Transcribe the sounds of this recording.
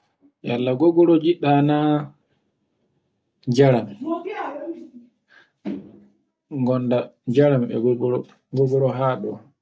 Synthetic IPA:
jalːaɡɔɡɔɾɔd͡ʒiɗːana | d͡ʒaɾam | ŋɡɔndad͡ʒaɾambɛ̰ɡɔɡɔ | ɡɔɡɔɾɔɦaːɗɔ

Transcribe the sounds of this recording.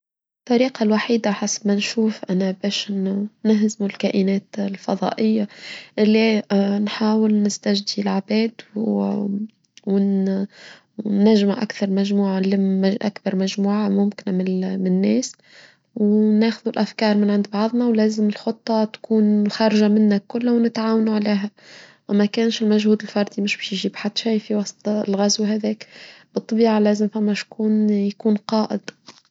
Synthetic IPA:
t̪ˤːɑɾiːqɑlwaħiːd̪aħasbmænʃuːfʔænabɛːʃnɪɦzmulkæːʔɪnɛːt̪lfɑðˤɑ̰ːʔɪjːaʔɪlːinħaːwɪlnɪst̪æʒd̪ilʕabɛːd̪ | wn | nːæʒmʔa̰kθɑɾˤmæʒmuːʕaliʔa̰kbɑɾˤmæʒmuːʕamʊmkɪnmɪmnːɛːs | wnæːxʊðulʔæfkɑːɾˤmɪnʕɪnd̪bɑʕðˤnɑwlæːzɪmɪlxot̪ˤːɑt̪kuːnxɑɾˤʒamɪnːækʊlːawnɪt̪ʕaːwanuʕleːɦæwmækæːnʃɪlmæʒhuːd̪ɪlfɑɾˤd̪imɪʃbɛːʃjʒiːbħad̪ːʃæjfiwɑsˤt̪ˤlɣæzwɦæðɛːkb̥ɨt̪ˤːɑbiːʕalæːzɪmfæmːæʃkuːnjakuːnqɑːʔɪd̪̥

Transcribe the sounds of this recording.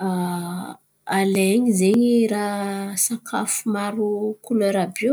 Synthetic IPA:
a | aleɲizeɲiɾasakʰafumaɾukuleɾabi

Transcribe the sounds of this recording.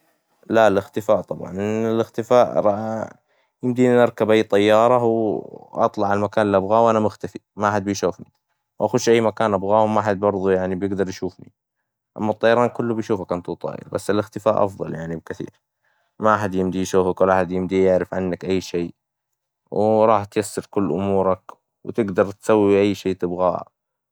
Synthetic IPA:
lalɪxt̪ɪfaːʔt̪ˤɑbʕɑ̰nʔɪɪlɪxt̪ɪfaːʔɾˤɑ | jɪmd̪iːnnɑɾˤkabʔajːt̪ˤɑjːɑːɾˤɑwʔɑ̰t̪ˤlɑʕalmakaːnlʔabɣaːwʔanamʊxt̪afimaʔaħad̪̚bɪjʃuːfni | wʔaxʊʃʔajːmakaːnʔabɣaːwmaʔaħad̪̚bɑɾˤðˤujaʕnibjɪɡd̪ɑɾˤjʃuːfnḭ | ʔa̰mːɑt̪ˤːɑjːɑɾˤɑːnkʊlːʊbɪjʃuːfakʔant̪ut̪ˤɑ̰ːjɪ̰lbasːɪlʔɪxt̪ɪfaːʔɑ̰fðˤɑ̰ljaʕnibkɪθḭːɾ | maʔaħad̪jɪmd̪iʃuːfakwlʔaħad̪jɪmd̪ijɪʕɾɪfʕanːakʔajːʃeː | wɪɾˤɑːħt̪jasːɑɾkʊlːʔʊmuːɾˤɑk | wt̪ɪɡd̪ɑɾˤt̪sawːiʔajːʃeːt̪ɪbɣa̰ː

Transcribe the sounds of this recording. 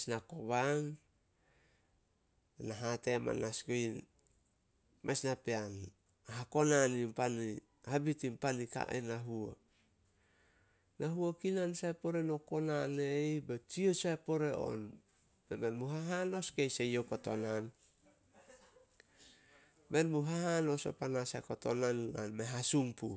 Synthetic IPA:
snakoβaŋ | naɦatema̰naskoin | mesnapean | aɦako̞nanimpani | habitimpanika̰ʔḛnaɦuo | naɦuokinansaepoɾe̞no̞ko̞nanejbet͡ʃiosaepo̞ɾe̞o̰n | bemenmuɦaɦano̞skejsejokoto̰nan | me̞nmuɦahano̞so̰panasakoto̰nanːa̰nmeɦasumpṵ

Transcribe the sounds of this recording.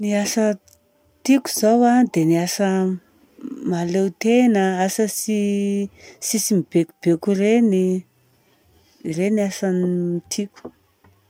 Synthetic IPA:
niasə | t̪iku̥zawad̪eniasə | malewt̪enəasəsi | sisimib̥ekub̥ekureni | reniasanit̪ʰiku̥

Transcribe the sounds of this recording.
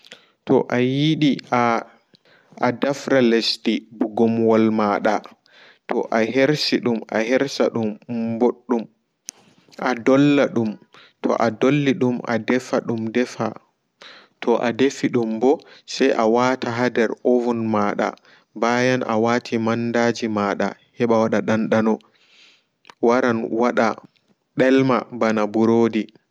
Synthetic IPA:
tɔ̰ʔajiɗia | adafɾalestibuɡɔmwɔlmaɗa | tɔʔaɦeɾsiɗuma̰ɦɛɾsaɗumboɗːum | ʔadɔlːaɗum | tʰɔ̰ʔadolːiɗumʔa̰dɛfaɗumdɛfa | tʰɔʔadefiɗumbɔsɛjʔawaːtaɦadɛɾovunmaːɗa̰ | bajanʔawatʰimandad͡ʒimaɗa̰hɛɓawaɗaɗanɗanɔ | waɾanwaɗa | ɗɛlmabanabuɾoːdi

